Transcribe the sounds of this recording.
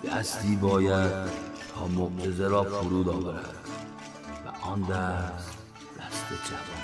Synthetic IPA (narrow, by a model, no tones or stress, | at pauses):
d̪̥æ̰st̪iːbɒːjæd̪̚t̪ʰɒːmoʔt̪ʰezeɾɒːfoɾuːd̪ɒːvæɾæ̰d̪̥ | væ̰ʔɒnd̪æs | d̪æst̪̚bet͡ʃʰæm